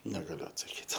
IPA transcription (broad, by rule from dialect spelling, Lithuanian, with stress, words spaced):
nʲɛɡɐˈlʲʊ ɐtsɐˈkʲiːt